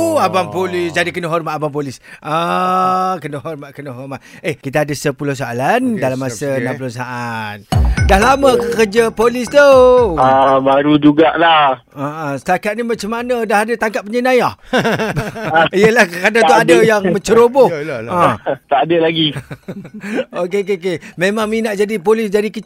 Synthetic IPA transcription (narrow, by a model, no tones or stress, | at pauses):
abampolɪsd͡ʒadikənəɦɔrmat̪abamp̬olɪsə | kənəɦɔrmaʔkənəɦɔrmat̪ekit̪̬aadəsəpulʊhs̬aalandalamasənãmp̬ulosaʔat̪̚dahlaməkəkərd͡ʒapolɪst̪uəbaɾud͡ʒuɡaʔlah | əʔəsə̥t̪akat̪̚nimat͡ʃamːanədahadət̪aŋkat̪̚pəɲənaja | iəlahkkadauadəjaŋməɲt͡ʃəɾobohə̃t̪aʔadəlaɡi | okekekememãŋminaʔ̚d͡ʒadipolɪsdadikə